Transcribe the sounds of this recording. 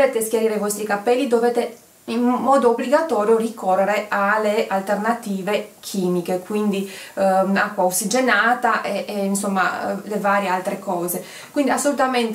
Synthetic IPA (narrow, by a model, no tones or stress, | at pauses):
eːt̪eskjeɾiːɾevɔst̪ikapɛlːid̪oveːt̪e | imːɔːd̪oːbliɡat̪ɔːɾjorikʰorːeɾeʔalːealt̪ernat̪iːvekʰiːmikekwind̪i | akːwaoksid͡ʒenaːt̪aʔeeinsomːa̰levaːɾjealt̪ɾekɔːze | kwind̪iasːolut̪ament̪